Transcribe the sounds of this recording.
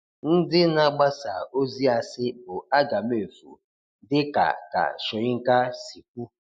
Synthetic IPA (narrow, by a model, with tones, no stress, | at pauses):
n̩˦dɪ˦na˦ɡ͡ba˦sa˨o˦zi˦a˨sɪ˦bʊ˨a˦ɡa˨m˦e˨fṵ˨ | dɪ˦ka̰˨ka̰˨sʊ˨ɪ˦ŋ̩˦ka˦si˨k̚ʷu˦